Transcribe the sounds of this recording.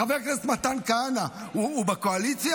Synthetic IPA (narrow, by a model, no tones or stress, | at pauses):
aveʁkestmat̪ankanauːbakoalit͡sja